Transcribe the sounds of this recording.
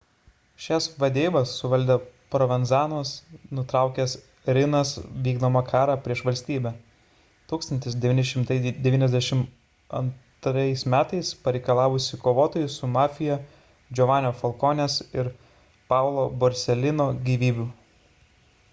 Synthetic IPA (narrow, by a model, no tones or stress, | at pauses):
ʃʲɛsʋɐd̪ʲeːbɐsːʊʋɐlʲd̪ʲɛpɾɔʋʲɛnzɑːnuɔsnʊt̪ɾɑˑʊkʲɛs | ɾʲɪnɐsʋʲiːɡd̪oːmɐkʰɑːɾɑpʲɾʲiɛʃʋɐlʲsʲt̪ʲiːbʲɛ | t̪uːkst̪ɐnʲt̪ʲɪs̬d̪ʲɛʋʲiːnʲɪʃʲɪmt̪ɐɪd̪ʲɛʋʲiːnʲɛzd̪ʲɛʃʲɪm | ɐ̰nt̪ɾɐɪsmʲæːt̪ɐɪspɐɾʲɛɪkɐlˠɑːʋʊsʲɪkoːʋoːt̪oːjʊsʊmɑːfʲɪjɛ | d͡ʒʲɔʋɑːnʲoːfɐlˠkoːnʲesɪɾ | pɑˑʊlˠoːbɔɾʲsʲɛlʲɪnoːɡʲiːʋʲiːbʲʊ